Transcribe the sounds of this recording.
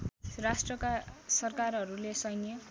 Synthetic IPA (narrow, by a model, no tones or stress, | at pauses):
rasʈrʌkasʌrkarɦʌɾulesʌjnjʌ